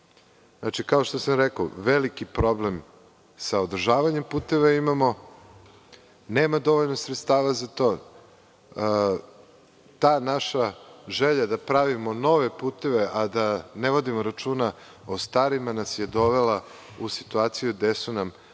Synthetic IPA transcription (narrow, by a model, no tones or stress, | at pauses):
znat͡ʃikaoʃt̪osamɾeko̰ʋelikipɾo̞blem | saod̪r̩ʒaːʋaɲe̞mpuːt̪e̞ʋaimamo | neːmad̪o̞ʋo̞ʎnosɾet̪st̪aːʋazat̪o̞ː | t̪aːnaʃaʒeʎad̪apɾaʋimono̞ʋe̞puːt̪e̞ʋe̞ʔad̪aneʋo̞d̪imoɾat͡ʃuːna | ost̪aɾimanasjed̪o̞ʋela | usi̥t̪uaːt̪sijud̪esunam